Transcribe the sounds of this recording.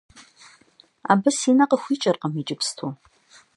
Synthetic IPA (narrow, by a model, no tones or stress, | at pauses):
a̰bɨsinɐqʼəxʷiːt͡ʃʼɐrqʼəmid͡ʒʼɪpʰstʰu